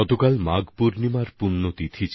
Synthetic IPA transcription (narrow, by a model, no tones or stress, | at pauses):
ɔt̪okalmaɡpuɾnimaɾpunːot̪it̪ʰit͡ɕʰ